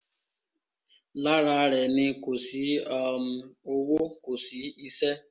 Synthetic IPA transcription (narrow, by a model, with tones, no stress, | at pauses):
la˦ɾa˦ɾɛ˨nɪ˦ko˨si˨˦ɔ˨m˨o˦wo˦ko˨si˨˦i˦se˦